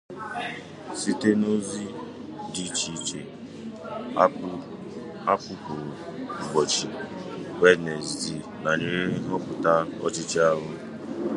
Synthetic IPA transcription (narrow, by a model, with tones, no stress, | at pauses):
si˦te˦no˦zi˦di˦t͡ʃi˦t͡ʃe˨˦ | a˦kʊ˦pʊ˨ɡ͡bɔ˨t͡ʃi˨we˦ne˨zzi˨ | na˨ɲe˦ɾe˦ɦɔ˦pʊ˨ta˦ɔ̰˦t͡ʃɪ˦t͡ʃa˦ɦʊ˦